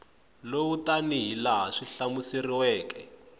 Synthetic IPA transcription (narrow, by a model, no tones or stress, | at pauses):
lowutaniɦilaɦaʂiɬamusiriwɛːkɛ